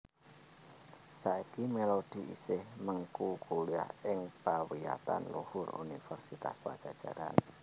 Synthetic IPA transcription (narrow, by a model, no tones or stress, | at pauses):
saikimelod̪̥i̤ʔisɪhməŋkukuliahɪŋpawija̰t̪anluhʊrṵnifərsit̪aspad̥ʒ̥a̤d̥ʒ̥aɾa̰n